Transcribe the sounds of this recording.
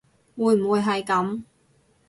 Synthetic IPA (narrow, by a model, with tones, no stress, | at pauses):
wuː˨˧˥jm̩˨˩wuː˨˧jɦɐ˨jkɐ˨˥m